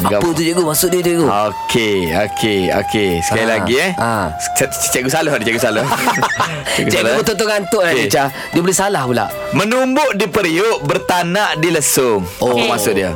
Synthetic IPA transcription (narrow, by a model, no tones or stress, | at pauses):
aɡapət̪̬ud͡ʒəɡomasʊʔ̚diət̪uɡookʰeo̰kʰeo̰kesə̥kailaɡiɛ | t͡ʃaʔɡusalʊhdət͡ʃaɡusalʊh | aɡut͡ʃaʔlobət̪ot̪ʊŋant̪ʊʔat͡ʃa | diəbolehsalahpula̰ʔ | mənumbʊʔdipəɾiʊʔbərt̪anaʔdiləsʊŋapəmasʊʔ̚diə